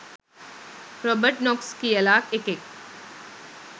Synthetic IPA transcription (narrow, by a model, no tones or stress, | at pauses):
ɾɔːbəɾʈnɔːkskiɐlaːkekek̚